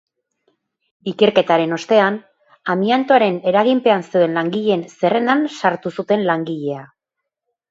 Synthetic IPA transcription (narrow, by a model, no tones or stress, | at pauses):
ike̞ɾke̞t̪aɾe̞no̞st̪e̞an | amiant̪oaɾe̞ne̞ɾaɣimpe̞anseoe̞nlaŋɡiʎe̞nse̞re̞nansaɾt̪usut̪e̞nlaŋɡiʎe̞a